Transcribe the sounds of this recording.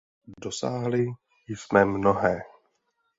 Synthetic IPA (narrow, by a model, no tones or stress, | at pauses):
dosaːɦlɪ | jɪsmɛmnoɦɛː